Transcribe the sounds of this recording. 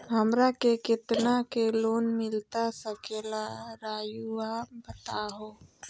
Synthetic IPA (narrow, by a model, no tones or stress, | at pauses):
ɦəmɾakekɪt̪nakeloːnmɪlt̪asəkeːlaɾaːjuabət̪aɦoː